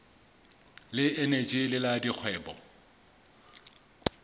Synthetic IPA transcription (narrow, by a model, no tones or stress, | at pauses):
lɪenet͡ʃʼɪlɪladik͡xʰwɛːbɔ̰